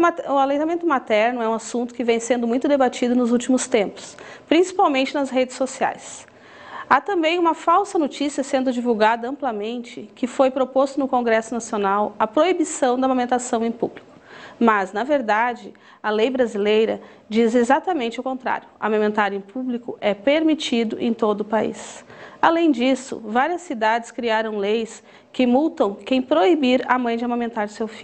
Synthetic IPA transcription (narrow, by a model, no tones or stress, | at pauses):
maʊalẽt̪amẽnt̪ʊmat̪ɛɾnʊɛũasũt̪ʊ̥kɪvẽj̃sẽnd̪ʊmũj̃t̪ʊd̪ebat͡ʃid̪ʊnʊzuwt͡ʃimʊst̪ẽmpʊ̥spɾĩsi̥pawmẽnt͡ʃɪnɐsɦed͡ʒɪsːosia̰js | at̪ɐ̃mbẽj̃ũmɐfawsɐnot͡ʃisiɐsẽnd̪ʊd͡ʒivuwɡad̪ɐɐ̃mplɐmẽnt͡ʃɪkɪfojpɾopost̪ʊnʊkõɡɾɛsʊnasionawɐpɾoibisɐ̃w̃d̪ɐmomẽnt̪asɐ̃w̃ẽj̃publikʊ̥mɐznɐveɾd̪ad͡ʒɪ | ɐlejbɾazilejɾɐ | d͡ʒizezat̪ɐmẽnt͡ʃɪawkõnt̪ɾa̰ɾjʊa̰mamẽnt̪aɾẽj̃publikʊʔɛpeɾmit͡ʃid̪ʊʔẽj̃t̪od̪ʊːpaḭsalẽj̃d͡ʒisʊ̰vaɾiɐsːid̪ad͡ʒɪskɾiaɾɐ̃w̃lejs | kɪmut̪ɐ̃w̃kẽj̃pɾoibiɾɐ̰mɐ̃j̃d͡ʒɪamamẽnt̪aɾɪsewfi